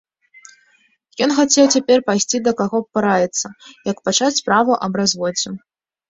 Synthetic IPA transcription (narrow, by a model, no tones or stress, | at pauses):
jɔnxat͡sʲɛwt͡sʲapʲɛrpajsʲt͡sʲid̪ɐkaɣɔpɨɾajɛt̪sːɐjɐkpat͡ʂat͡sʲpɾavuʔɐbɾazvɔd͡zʲu